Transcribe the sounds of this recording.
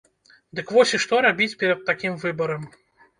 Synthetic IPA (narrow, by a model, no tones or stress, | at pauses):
d̪ɨkvɔsʲiʂt̪ɔɾabʲit͡sʲpʲɛɾɐt̪̚ːakʲimvɨbɐɾɐm